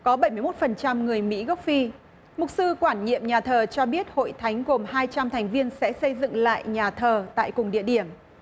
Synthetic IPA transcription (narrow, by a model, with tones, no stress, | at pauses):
kɔ˨˦ɓə˧˩jmɨ˧jmo˦˥t̚fə˨˩nt͡ɕa˧mŋɨ˨˩əjmḭ˧˥ɣə˦˥wk͡p̚fi˧ | mʊ˨˩k͡p̚sɨ˧kwaː˧˩nɲḭ˧˨əmɲaː˨˩t̪ʰəː˨˩t͡ɕɔ˧ɓi˦˥ət̚ho̰˧˨jt̪ʰa˨˦jŋ̟ɣo˨˩mhaː˧jt͡ɕa˧mt̪ʰa˨˩jŋ̟vi˧ənsɛ̰˧˥sə˧jzɨ̰˧˨ŋla̰ː˧˨jɲaː˨˩t̪ʰəː˨˩t̪a̰ː˧˨jkʊ˨˩ŋ͡mɗḭ˧˨əɗi˧˩əm